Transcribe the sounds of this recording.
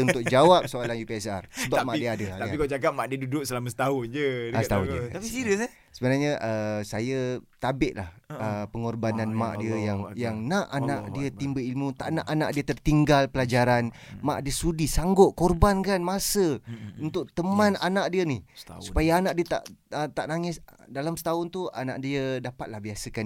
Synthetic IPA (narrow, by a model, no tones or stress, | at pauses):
unt̪ʊk̚d͡ʒawap̚soalanjupiɛsa̰rsəbamaʔdiəadəd̪aikad͡ʒaɡap̚maʔdiədudʊʔ̚səlamasə̥t̪aɦʊnd͡ʒəət̪aʊnd͡ʒəaisiɾə | səbənaɲəʔəsajat̪abɪʔla̰həpəŋɔrbananma̰ʔdiəjaŋjaŋnaʔanaʔdiət̪imbəilmut̪a̰ʔnaʔanaʔdiət̪ərt̪iŋɡalpəlad͡ʒaɾanmaʔdiəsudisaŋɡɔʔkorbankanmasəunt̪ʊʔ̚t̪əmananaʔdiənihsupajaanaʔdiət̪a̰ʔət̪aʔnaŋɪsdalamsə̥t̪aʊnt̪ua̰naʔdiədapat̪̚lahbiasəkan